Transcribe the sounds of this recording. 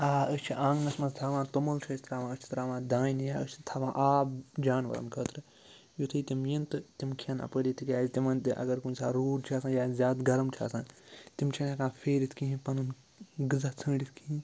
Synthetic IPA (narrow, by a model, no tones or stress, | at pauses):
aːət͡ʃʰiʔãːŋɡnɐsmɐzt̪ʰaːʋãːt̪umɐlt͡ʃʰɐːsʰt̪ɾaːʋãːət͡ʃʰi̥t̪ɾaːʋãːd̪ãːjinijaːət͡ʃʰit̪ʰaːʋãːʔaːbd͡ʒaːnʋɐ̰ɾɐ̰nkʰəːt̪ɾɨ | jut̪ʰɨːt̪imjint̪ɨt̪imkʰɐnɐ̰pəɾit̪ʰikʲjaːzt̪imɐnt̪ɨʔɐ̰ɡɐɾkunʲsaːɾuːɖt͡ʃʰaːsãːjaːzʲaːd̪ɡɐɾɐmt͡ʃʰa̰ːsãːt̪imt͡ʃʰɐnakãːfʰeːɾit̪ʰkĩɦĩpɐnɐn | ɡɨzat͡sʰə̃ːɖit̪ʰkiĩ